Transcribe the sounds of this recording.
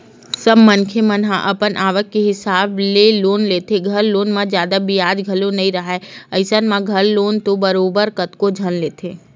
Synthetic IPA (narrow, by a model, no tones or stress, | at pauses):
sɐbmənkʰemənɦã̰ʔɐpənʔaːʋəkːeɦɪsaːbleloːnleːt̪ʰeɡʱɐlːoːnmãd͡ʒjaːd̪abijaːd͡ʒɡʱɐlonɐɦĩɾɐɦaɛɐɪsənmãɡʱɐlloːnt̪obəɾoːbəɾkət̪kod͡ʒʱɐnleːt̪ʰeː